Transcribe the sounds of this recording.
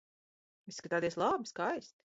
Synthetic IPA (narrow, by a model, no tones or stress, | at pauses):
iskat̪aːt̪iɛslˠaːbiskajst̪